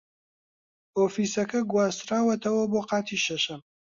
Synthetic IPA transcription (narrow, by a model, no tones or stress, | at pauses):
oːfisɐkɐɡwaːzt̪ɾaːwɐt̪ʰɐwɐboːqɑːt̪ʰiʃɐʃɐm